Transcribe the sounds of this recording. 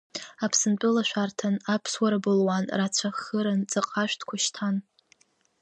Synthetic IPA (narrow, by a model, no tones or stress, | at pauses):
apʰsɨnt͡pʼʊlaʃʷᶣartʰanapʰswaɾabɨlwanrat͡ɕʷʰaxəɾant͡sʼaqʼaʃʷᶣtʰkʷʰaʃtʰan